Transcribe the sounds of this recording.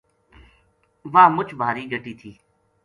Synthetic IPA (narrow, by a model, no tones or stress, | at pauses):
ʋaːmʊt͡ʃʰbʱaːɾiːɡʱəʈiːt̪ʰiː